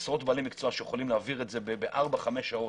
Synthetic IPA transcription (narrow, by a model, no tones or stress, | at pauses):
sʁo̞tbaːlimikt͡soaʃejeχolimleaviʁetze̞bebeʔaʁbaχame̞ʃao̞